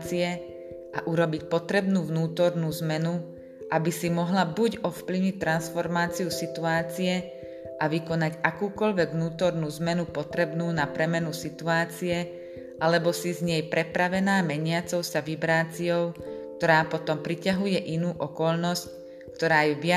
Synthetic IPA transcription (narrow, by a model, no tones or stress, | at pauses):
t͡siɛ | ʔa̰ʔuɾɔbic̚pɔt̪ɾɛbnuːʋnuːt̪ɔɾnuːzmɛnu | ʔabisimɔɦlabuɟɔfpliʋɲic̚t̪ːɾansfɔɾmaːt͡siusit̪uaːt͡siɛ | ʔaʋikɔnaɟakuːkɔʎʋɛɡʋnuːt̪ɔɾnuːzmɛnupɔt̪ɾɛbnuːnapɾɛmɛnusit̪uaːt͡siɛ | ʔalɛbɔsizɲɛjpɾɛpɾaʋɛnaːmɛɲɪat͡sɔʊsaʋibɾaːt͡siɔʊk̚t̪ɔɾaːpɔt̪ɔmpɾicaɦujɛʔinuːʔɔkɔʎnɔsc | kt̪ɔɾaːjɛʋɪa